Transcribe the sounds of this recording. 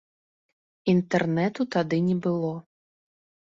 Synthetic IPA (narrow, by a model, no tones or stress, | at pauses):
int̪ɛrnɛt̪ut̪ad̪ɨnʲɛbɨlˠɔ